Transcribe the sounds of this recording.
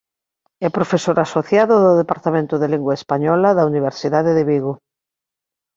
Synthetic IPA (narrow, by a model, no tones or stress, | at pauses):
ɛpɾofesoɾasoθjaðoðoðepaɾt̪amẽnt̪oðeliŋɡwaespaɲɔlaðauniβ̞eɾsiðaðeðeβiɣo